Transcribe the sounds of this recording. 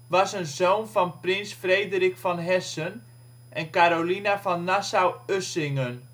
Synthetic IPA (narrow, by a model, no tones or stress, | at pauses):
ʋɑsənzoːnfɔnprɪnsfreːdərikfɔnɦɛsən | ʔɛnkaɾolinafɔnːasawøsɪŋən